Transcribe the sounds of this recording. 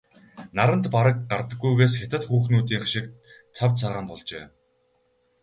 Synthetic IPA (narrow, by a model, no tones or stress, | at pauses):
naɾə̆nt̪paɾə̆k̚ɢart̪ə̆ɡːujɣeːsxet̪ɘ̆t̪xuːxnuːt̪iːŋχaʃɪ̆k | t͡sʰawt͡sʰaːʁaːmpɔɮt͡ɕḛː